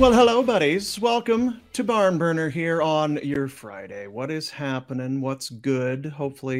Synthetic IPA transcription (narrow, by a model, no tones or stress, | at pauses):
wɛlˠɦəloʊbʌɾiz̥wɛlˠkə̃mtʰɨbɑɹmbɜ˞nə˞ɦiɹə̃njə˞fɹa̰ɪɾeɪwʌɾɪz̥hæpənɪ̃ŋwʌtsɡ̥ʊdhoʊpfl̩ˠi